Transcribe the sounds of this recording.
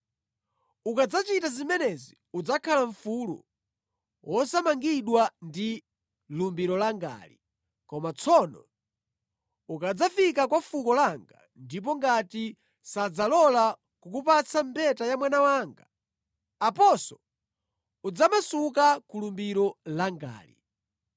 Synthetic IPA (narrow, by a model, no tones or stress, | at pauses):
ukad͡zat͡ʃitazimɛnɛzi | ud͡zakʰalaɱfulṵ | wʔɔsamaŋɡiɗwandi | lumbiɾɔlaŋɡa̰ːlḭ | kɔmat͡sʰɔnɔ̰ | ukad͡zafikakwafukɔlaŋɡa | ndip̬ɔŋɡati | sad͡zalɔla | kukupat͡sʰampɛtajamwanawaːŋɡaː | pɔsɔ | ud͡zamasukakulumbiɾɔlaŋɡa̰ːlḭ